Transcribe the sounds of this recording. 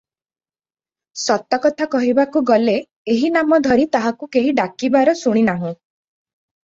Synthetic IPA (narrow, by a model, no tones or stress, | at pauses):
sɔt̪ːɔkɔt̪ʰakɔɦibakuɡɔle | eɦinamɔd̪ʱɔɾit̪aɦakukeɦiɖakibaɾɔsuɽ̃inaɦũ